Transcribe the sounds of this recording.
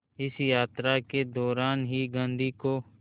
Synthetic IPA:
ɪsjaːt̪ɾaked̪ɔːɾaːnɦiːɡə̃nd̪iːkoː

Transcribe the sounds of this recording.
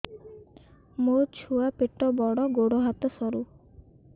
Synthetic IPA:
mot͡ʃʰuapeʈɔbɔɽɔɡoɽɔɦat̪ɔsɔɾu

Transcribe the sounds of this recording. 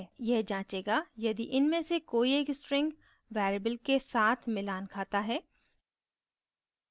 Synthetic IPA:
jɛɦd͡ʒãːt͡ʃeːɡajɐd̪iʔɪnmẽsekoːieːksʈɾɪ̃ŋɡ | ʋɛːɾəbəlkesaːt̪ʰmɪlaːnkʰaːt̪aɦɛː

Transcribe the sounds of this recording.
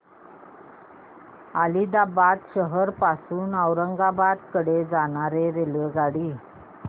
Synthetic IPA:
alid̪abat̪ɕəɦəɾpasuːnəʋɾəŋɡabad̪kəɽed͡zaɽ̃aɾeɾeləd͡zaɽiː

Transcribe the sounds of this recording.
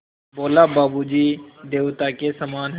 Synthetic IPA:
boːlabaːbud͡ʒiːd̪eːʋt̪akesəmaːnɦ

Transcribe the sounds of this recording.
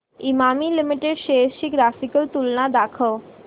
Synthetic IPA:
imamilimiʈeɖʃeʃikɾasikəlt̪ulnad̪akʰo

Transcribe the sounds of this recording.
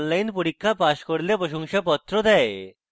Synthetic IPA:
nlajnpuɽikːapaɕkəɽljapəɕɔ̃ŋɕapɔt̪ːɾɔd̪ae

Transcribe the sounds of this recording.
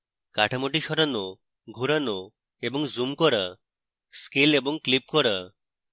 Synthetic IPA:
kaʈʰamoʈiʃɔɾano | ɡʱuɾano | eboŋzumkɔɾa | skeleboŋklip̚kɔɾa

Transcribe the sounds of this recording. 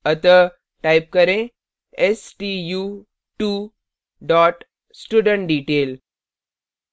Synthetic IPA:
ət̪ə | ʈajp̚kəɾẽ | esʈiju | ʈu | ɖɔʈ | sʈuɖəɳʈɖiːʈel

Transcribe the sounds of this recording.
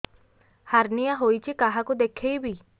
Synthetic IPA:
haɾnijaɦojt͡ʃʰekaɦakud̪ekʰejbʱi

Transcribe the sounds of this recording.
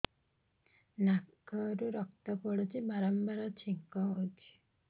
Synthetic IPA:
nakɔɾuɾɔk̚t̪ɔpɔɽet͡ʃʰibaɾɔmbaɾɔt͡ʃʰiŋkɔɦod̪i̥

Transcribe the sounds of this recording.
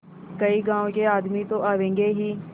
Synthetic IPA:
kəiːɡãːõkeːaːd̪mit̪õʔaːʋẽːŋɡeːɦiː

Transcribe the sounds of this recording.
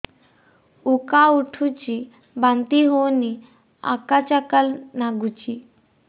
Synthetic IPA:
ukauʈʰut͡ɕi | bãnt̪iɦoni | a̰kat͡ɕakəlnaɡut͡ɕi

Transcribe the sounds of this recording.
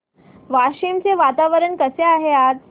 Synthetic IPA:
ʋaɕimt͡seʋat̪aʋəɾəɳkəseaɦeat̪̚

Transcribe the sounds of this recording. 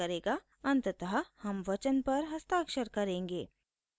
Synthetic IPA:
ɐɾeːɡa | ɐ̃nt̪t̪ɐɦahɐmʋɐt͡ʃənpɐɾɦɐst̪aːkʃəɾkɐɾẽːŋɡeː

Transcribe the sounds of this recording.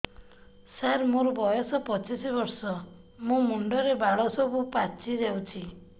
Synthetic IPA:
saɾmũɾɔbɔjɔsɔpɔt͡ʃisibɔɾsɔ | mũmuɳɖɔɾebaɭɔsɔbupat͡ʃid͡ʒewt͡ʃʰi

